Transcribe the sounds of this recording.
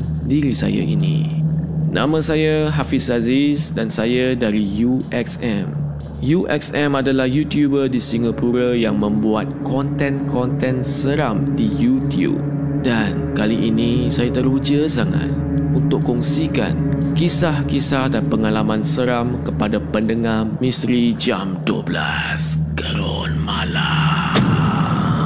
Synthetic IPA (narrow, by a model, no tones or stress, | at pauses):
diɾisa̰ja̰ʔḭnḭ̃ | nʔã̰mə̃sajaɦafisazisdansajadaɾijuʔɛksɛ̃m | juʔɛksɛ̃madalahjut̪jubədisiŋapuɾajaŋmə̃mbuat̪̚kɔnt̪ɛ̃nkɔnt̪ɛ̃nsəɾamdijut̪jṵp̚ | dankaliʔinĩsajat̪əɾud͡ʒəsaŋa̰t̪̚ | unt̪ʊʔkɔŋsika̰nkisahkisahdanpəŋalamãnsəɾamkəpadapəndəŋahmĩsɾid͡ʒamduobla̰ | skəɾo | nmala